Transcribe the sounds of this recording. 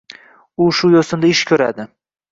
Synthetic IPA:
ʊʃʊjosɪmd̪aɪʃkʲʰɵɾa̰d̪ɪ

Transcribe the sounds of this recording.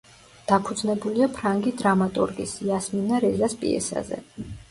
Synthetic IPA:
d̪̥apʰud̪znɛbuliapʰɾaŋɡid̪ɾamat̪ʼuɾɡisiasminaɾɛzaspʼḭɛ̰sa̰zɛ̰

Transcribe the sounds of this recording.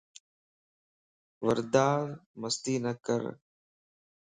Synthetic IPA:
ʋəɾd̪aːɾməst̪iːnəkə̰ɾ

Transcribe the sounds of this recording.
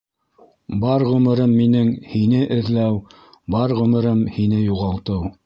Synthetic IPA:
bɑɾʁɵ̆mɘ̆ɾɤmːinɘŋhinɘʔɘ̆ðlæw | bɑɾʁɵ̆mɘ̆ɾɤmhinɘjuʁɑlˠt̪ɤw

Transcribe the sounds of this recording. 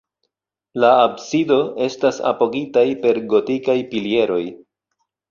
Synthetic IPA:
laːbsido̞e̞stasa̰po̞ɡitajpe̞ɾɡo̞tikajpilie̞ɾo̞j

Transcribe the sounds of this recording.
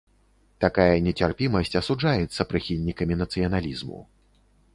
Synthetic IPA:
t̪akajɐnʲɛt͡sʲarpʲimɐsʲt͡sʲɐsud͡ʐajɛt̪sːɐpɾɨxʲilʲnʲikɐmʲinɐt̪sɨjɐnalʲizmṵ

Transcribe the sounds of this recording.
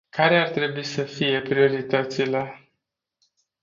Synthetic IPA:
kaɾe̞art̪ɾe̞buisəfije̞pɾio̞ɾit̪at̪sile

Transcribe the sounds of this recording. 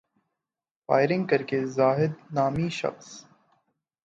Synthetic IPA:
fa̰ːɪɾɪ̃ŋɡ̚kɐɾkezaːɦɪd̪̚naːmiʃɐ̰xs

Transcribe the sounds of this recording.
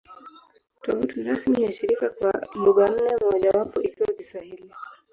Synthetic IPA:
tɔvutuɾasmijaʃiɾikakwamuɡan̩nɛmɔʄawapɔʔikiwakiswahili

